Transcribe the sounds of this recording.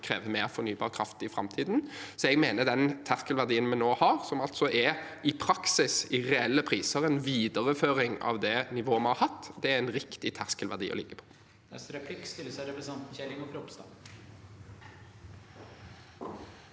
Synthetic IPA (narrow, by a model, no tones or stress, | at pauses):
kʰɾḛːʋəmeːɾfɔɾnyːbɑːʁkʰɾɑft̪ɪfɾɑ̰mt̪ʰiːd̪nsɔɛɡmeːnəd̪ɛnt̪ʰæʁskəlʋæʁd̪iːənmɛnoːhɑʁsɔmɑlt̪sɔʔɛʔɪpʰɾɑksɪsɪʁɛɛlːəpʰɾiːsəɾɛnʋiːd̪əʁəføːɾɪŋɑ̰ʋd̪ɛnɪʋoːmɛnhɑɾhɑt̪ːd̪ɛæɾɛnɾɪkt̪ɪt̪ʰæʁskəlʋæʁd̪ḭːɔ̰lɪ̰ɡːəpʰɔ̥ | ɛsɾɛpʰlɪkːst̪ɪləsɔɾɛpɾɛsɑnt̪n̩çɛlɪŋɔkɾɔpst̪ɑ̰